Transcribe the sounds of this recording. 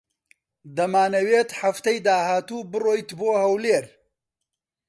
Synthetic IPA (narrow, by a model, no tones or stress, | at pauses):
d̪ɐmaːnɐweːt̪ħɐft̪ɐjd̪aːhaːt̪uːbɨroːjt̪boːhɐwleːɾ